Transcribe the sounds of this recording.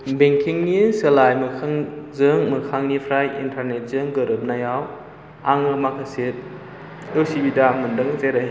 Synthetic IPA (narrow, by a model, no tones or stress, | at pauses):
beŋkʰiŋniselajmɯkʰaŋzɯŋmɯkʰaŋnipʰɾajḭntʰaɾnet̚zɯŋɡɯɾɯp̚najaw | aŋmɯmakʰaset̚ | osibidamɯndɯŋzeɾɐj